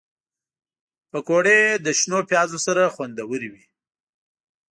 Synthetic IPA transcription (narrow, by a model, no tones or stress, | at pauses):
pəkoɽed̪əʃnopjɑzosaɾaxwand̪awəɾiwi